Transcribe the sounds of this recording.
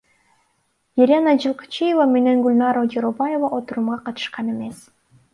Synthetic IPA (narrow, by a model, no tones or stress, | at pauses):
jeɾʲenɑd͡ʒɯlˠqɑ̥t͡ʃijevame̞ne̞ŋɡulʲnɑɾod͡ʒeɾobajevaʔot̪uɾumʁɑqɑt̪ɯ̥ʃqɑne̞me̞s